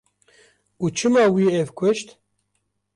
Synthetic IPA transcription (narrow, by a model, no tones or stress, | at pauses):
uːt͡ʃʰɨmɑːwiːevkʷʰʊʃt̪